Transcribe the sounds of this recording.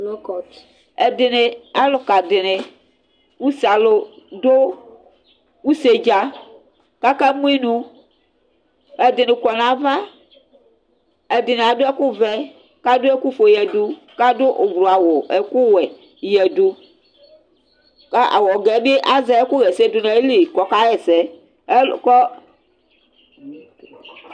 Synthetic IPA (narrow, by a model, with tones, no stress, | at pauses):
k | e˨d̪e˨ne˨a˦lo˨ka˨de˨ne˨ | wu˦sa˨lo˨do˦ | wu˦se˨d͡ʒa˦ | ka˦ka˦mũ˦i˦nũ˨˦ | ɛ˨d̪e˨ne˨kɔ˨nã˨va˦ | e˨d̪e˨nẽ˨a˨do˦ɛ˦ku˦vɛ˨ | ka˦do˦ɛ˦ku˦fo˨jɛ˨du˦ | ka˦do˦ʔo˨vɾo˨a˨wo˨ɛ˨ku˦wɛ˨ | jɛ˨du˨ | ka˦ʔa̰˨wɔ˨ɡɛ˨˦be˦ʔa˦zɛ˨˦e˦ku˦ɣɛ˨se˦do˨nɛ̃˨e˦li˨kɔ˨ka˦ɣɛ˨sɛ˨˦˨ | kɔ˦